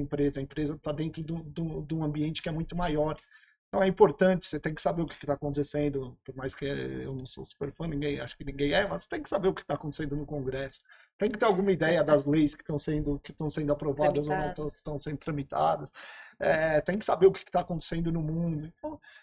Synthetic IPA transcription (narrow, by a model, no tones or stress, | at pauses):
ẽpɾezɐẽmpɾezɐt̪ad̪ẽnt̪ɾʊd̪ũd̪ũd̪ũɐ̃mbiẽnt͡ʃɪ̥kɪɛmũj̃t̪ʊmajɔɾẽt̪ɐ̃w̃ɛĩpoɾt̪ɐ̃nt͡ʃɪ̥set̪ẽj̃kɪ̥sabeɾʊkɪ̥kɪt̪aːkõt̪esẽnd̪ʊpoɾmajskɪḛwnɐ̃w̃so̰su̥peɾfɐ̃nĩŋɡẽj̃aʃʊ̥kɪnĩɡẽj̃ɛmɐsse̥t̪ẽkɪ̥sabeɾʊkɪ̥t̪akõt̪e̥sẽnd̪ʊnʊkõɡɾɛsʊ̥ | t̪ẽj̃kɪt̪eɾawɡũmɐid̪ɛjɐd̪ɐzlejskɪ̥t̪ɐ̃w̃sẽnd̪ʊkɪt̪ɐ̃w̃sẽnd̪ʊapɾovad̪ɐzownɐ̃w̃t̪ɐ̃st̪ɐ̃w̃sẽnd̪ʊt̪ɾɐ̃mit̪ʰa̰d̪ɐsɛt̪ẽj̃kɪ̥sabeɾʊkɪ̥kɪt̪akõnt̪e̥sẽnd̪ʊnʊmũd̪ʊẽnt̪ɐ̃w̃